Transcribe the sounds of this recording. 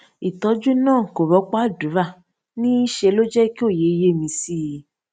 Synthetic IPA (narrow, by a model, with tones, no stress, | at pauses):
i˨tɔ˨˦d͡ʒũ˦nãː˦˨ko˨ɾɔ˨˦k͡pɔ˦a˦˨du˨˦ɾa˦˨ | nĩ˦i˦ʃe˧lo˦d͡ʒɛ˦ki˦o˦˨je˨˦i˦je˦˨mĩ˧si˦˧˦